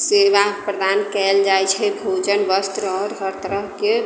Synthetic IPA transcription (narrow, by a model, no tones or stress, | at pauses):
seʋapɾəd̪ankɛld͡ʒajt͡ʃʰɛbʱod͡ʒənʋəst̪ɾɔɦɾkəɾt̪əɾəɦke